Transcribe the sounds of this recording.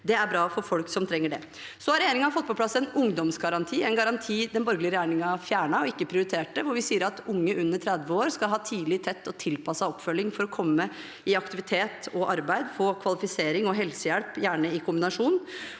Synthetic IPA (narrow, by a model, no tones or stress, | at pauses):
d̪ɛæɾbɾɑːfɔɾfɔlksɔmt̪ʰɾɛŋːəɖɛ̰ | sɔhɑɾɛjeːɾɪŋɑfɔt̪ːpʰɔplɑsːɛnʊŋd̪ɔmsɡɑɾɑnt̪ʰiːɛnɡɑɾɑnt̪ʰiːd̪ɛnbɔɾɡlɪəɾɛjeːɳɪŋɑfjæːɳɑɔɪkːəpʰɾɪʊɾɪt̪ʰeːʈːəʋʊɾʋɪsiːəɾɑt̪ʊŋːəʔʉnːəʈʰɾæd̪ʋəoːɾskɑlɦɑːt̪ʰiːlɪt̪ʰɛt̪ːɔt̪ʰɪlpʰɑsɑɔpːfœlːɪŋfɔɾɔkʰɔmːə | ɪɑkt̪ɪʋɪt̪ʰeːt̪ɔʔɑɾbæɪd̪foːkʰʋɑlɪfɪseːɾɪŋɔɦɛlsəjɛlpjæːɳəɪkʰʊmbɪnɑʂuːn